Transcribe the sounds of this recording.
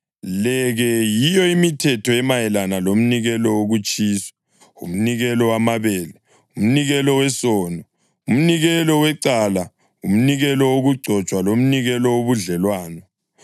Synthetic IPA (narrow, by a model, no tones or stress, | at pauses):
lɛɣɛjijɔimitʰɛtʰɔɛmajɛlanalom̩niɣɛlɔwoɣut͡ʃʼiːsḁ | ṵm̩niɣɛlɔwamaβɛːlɛ | um̩niɣɛlɔwɛsɔːnɔ | um̩niɣɛlɔwɛǀala | um̩niɣɛlɔwoɣuɡ͡ǀʱɔt͡ʃʼwalom̩niɣɛlɔwoβuɮɛlwaːnɔ